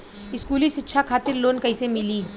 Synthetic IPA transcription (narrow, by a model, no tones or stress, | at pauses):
ɪskuːlisɪtːʃʰakʰaːt̪ɪɾloːnkɐisemɪliː